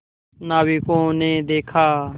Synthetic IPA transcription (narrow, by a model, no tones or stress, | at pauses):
naːʋiːkõːnẽːd̪eːkʰaː